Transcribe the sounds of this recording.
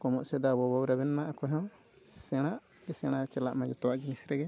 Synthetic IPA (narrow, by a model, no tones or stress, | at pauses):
kɔmɔʔsɛd̪abɔbɔwɾaβɛnmaʔakɔɦɔ̃ | sɛɽ̃aʔ | ɛsɛɽ̃at͡ʃɛla̰ʔmad͡ʒut̪ɔwaʔd͡ʒiŋisɾɛɡɛ